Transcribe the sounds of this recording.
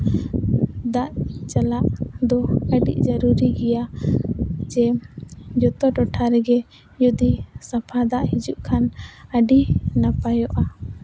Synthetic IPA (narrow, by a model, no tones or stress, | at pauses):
d̪aʔt͡ʃalaʔd̪ɔəɖḭʔd͡ʒəɾuɾiɡɛja | d͡ʒɛ | d͡ʒɔt̪ɔʈɔʈʰaɾɛɡɛ | jud̪isapʰad̪aʔhid͡ʒuʔkʰanəɖinapajɔʔa